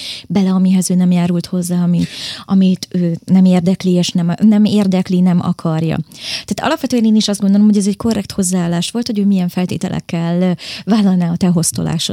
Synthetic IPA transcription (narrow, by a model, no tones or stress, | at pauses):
bɛlɛɒmiɦɛzøːnɛmjaːɾult̪ho̞zːaːɒmiɒmit̪ʰøːnɛmeːrd̪ɛklieːʃnɛmnɛmeːrd̪ɛklinɛmɒ̰kʰɒrjɒ̰t̪ɛaːt̪ɒ̰lɒpʋɛt̪øːɛneːniʃɒzd̪ɡond̪o̞lo̞mhɦoɟɛzɛcko̞rːɛk̚t̪ho̞zːaaːlːaːʃʋo̞lt̪hoɟøːmijɛɱfɛlt̪ḛːt̪ɛ̰lʔɛ̰kːɛlvaːlːɒlnaːɒt̪ɛɦo̞st̪o̰la̰ːʃo̰